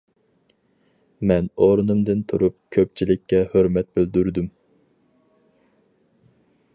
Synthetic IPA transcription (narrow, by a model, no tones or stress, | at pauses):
mɛnoɾnumd̪ɨnt̪ʰuɾup̚kʲʰøp̚t͡ʃʰilɪkʲʰːɛhøɾmɛt̪̚byld̪yɾd̪ym